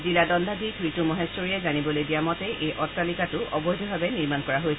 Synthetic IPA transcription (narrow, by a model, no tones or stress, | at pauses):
ziladɔndʱadiɡɹitumɔɦesɔɹijɛzanibɔlojdiamɔtɛʔejʔɔtːalikatʊʔɔbɔjdʱɔbʱabɛniɹmankɔɹaɦojs